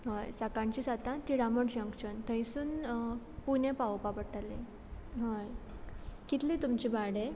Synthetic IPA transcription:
ɦəjsakãɲt͡ɕisat̪ãt̪iɾaməɳd͡ʑə̃ŋkt͡ɕənt̪ə̃jsuːn | punẽpaʋpapəʈʰalḛ̃ | ɦəj | kit̪lĩt̪umt͡ɕibaɽẽ

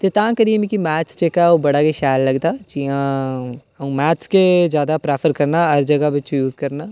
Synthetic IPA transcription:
t̪et̪ãːkəɾiemĩkimɛːst͡ʃekaobɐɽaːkeʃaːjlːɐɡd̪aːd͡ʒiã | ɐ̃mɛːtskezjaːd̪apɾeːpʰəɾkɐɾnaɦɐɾd͡ʒɐɡaʋɪt͡ʃjuːzkɐɾnaː

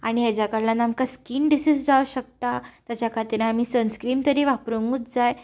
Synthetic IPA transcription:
aɽ̃iɦjad͡ʑjakəɾlanamkaskiːnɖisisd͡zauɕək̚t̪at̪jat͡ɕakʰaɾt̪iɾẽam̤iːsənskɾiːmt̪əɾiːʋapɾuŋɡuːt̪d͡zaj

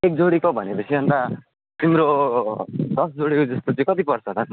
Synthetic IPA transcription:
ek̚d͡zoɽikobʱʌnekʌsʰibʱʌnd̪a | t̪imɾo | d̪ʌsd͡zoɽikod͡zʌst̪ot͡sʌ̃ĩkʌt̪̬ipʌrt͡sʰʌt̪ʌ

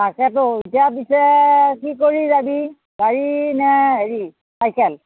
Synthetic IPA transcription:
takɛtoitijap̬isɛkikoɹizabi | ɡaɹinɛɦeɹi | sajkʰɛl

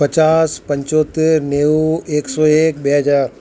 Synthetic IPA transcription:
pɐt͡ʃaːspɐ̃ɲt͡ʃoːt̪ɪɾneːeːksɔːeːk̚beəd͡ʒaːɾ

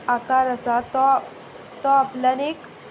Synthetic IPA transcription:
akaɾəsat̪ɔ | t̪ɔaplənek

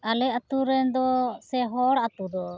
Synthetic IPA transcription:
alɛat̪uɾɛnd̪ɔsɛɦɔɽat̪ud̪ɔ

